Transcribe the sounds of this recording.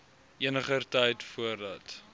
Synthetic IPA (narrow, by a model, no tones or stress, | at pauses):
ʔiənəχərtəjtfuərdɐt